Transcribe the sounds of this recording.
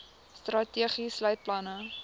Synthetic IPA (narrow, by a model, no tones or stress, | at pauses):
st̪rɐtiːχislœɥt̚plɐnə